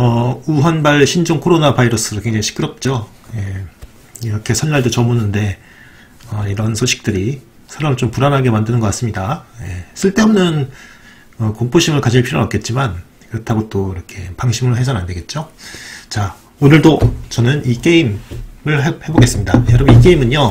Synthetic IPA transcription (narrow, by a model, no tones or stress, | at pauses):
ʌuɦanbaɭɕʰind͡ʑoŋkʰoɾonapaiɾʌs͈ʰɯɾokwe̞ŋd͡ʑaŋiɕʰi̥kʰɯɾʌp̚t͡ɕ͈o | je̞ | iɾʌkʰe̞sʰʌnːaɭdot͡ɕʌmunɯnde̞ | ʌiɾʌnsʰoɕʰi̥k̚t͈ɯɾi | sʰaɾamɯɭt͡ɕompuɾanɦaɡe̞mandɯnɯnɡʌk͈as͈ɯmɲidaje̞sʰɯɭt͈e̞ʌmnɯn | ʌkoŋp͈oɕʰimɯɭkad͡ʑʰiɭpʰiɾo̰nʌpk͈e̞t̚t͡ɕ͈iman | kɯɾʌtʰaɡot͈oiɾʌkʰe̞paŋɕʰimɯɭɦe̞s̬ʰʌnande̞ɡe̞t̚t͡ɕ͈ot͡ɕa | onɯɭdot͡ɕʌnɯnik͈e̞imɯɭɦehe̞boɡe̞s͈ɯmɲidajʌɾʌbɯnik̬͈e̞imɯɲjo